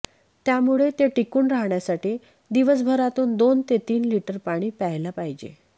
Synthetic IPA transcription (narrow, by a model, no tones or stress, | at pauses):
t̪jamuɭet̪eʈikuːnɾaɦɳjasaʈiː | d̪iʋəsbʱəɾat̪uːnd̪ont̪et̪iːnliʈəɾpaɽ̃iːpəɦlapaɦid͡ʑḛ